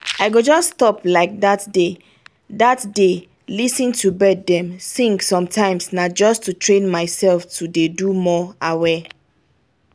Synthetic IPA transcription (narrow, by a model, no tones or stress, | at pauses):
aɪɡod͡ʒɔsːtɔplaɪk̚datde | datde | lisĩntʰubɛddɛ̃msĩŋksɔ̃mtʰãɪ̃msnad͡ʒɔstʰutʰɹẽnmaɪsɛlftʰudedumɔawɛ